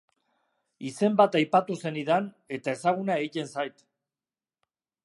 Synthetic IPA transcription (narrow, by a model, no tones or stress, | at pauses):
ise̞mbat̪ajpat̪use̞niðan | e̞t̪ae̞saɣ̞unaeit̪e̞nsajt̪